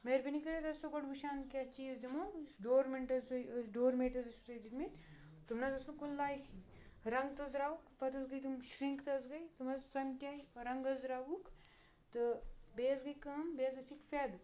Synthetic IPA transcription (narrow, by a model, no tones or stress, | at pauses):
meɾbinikɐɾet̪ɐst̪okɐʈʋuʃaːnkʲat͡ʃiːzd͡ʒɐmosɖoːɾmeɳʈɐzojɖoːɾmeːʈɐzɐsut̪ɐjd̪it̪min | t̪umnazɐsnukunlaːjkʰi | ɾɐŋɡt̪ɐzɾaːʋukpɐt̪ɐsɡɐjt̪umʃɾiŋkt̪ɐsɡɐit̪umɐzsɐmʈʲaːiɾɐŋɡɐzɾaːʋuk | t̪ɨbeːzɡɐjkɐmbeːzɐsikfed̪